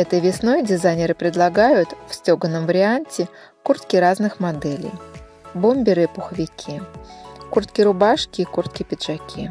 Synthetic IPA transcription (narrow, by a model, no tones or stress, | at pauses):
ɛt̪əjvʲɪsno̞jdʲɪzajnʲɪɾɨpɾʲɪd̪lˠɐɡajʊt̪fsʲtʲoɡənːəmvəɾʲɪanʲtʲɪ | kurt̪kʲɪɾaznɨxmɐd̪ɛlʲɪ̰j | bomʲbʲɪɾɨpʊxəvʲɪkʲʰi | kurt̪kʲɪɾʊbaʂkʲɪːkurt̪kʲɪpʲɪd̪ʐ̥ɐkʲʰi